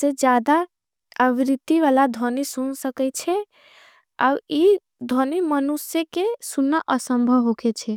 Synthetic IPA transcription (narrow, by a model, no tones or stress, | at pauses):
sed͡ʒjad̪a | əʋiɾit̪ːiʋalad̪ʱonisunsəkɛt͡ʃʰɛ | a̰i | d̪ʱənimənusjekesunːaʔəsəmbʱəɦoket͡ʃʰɛ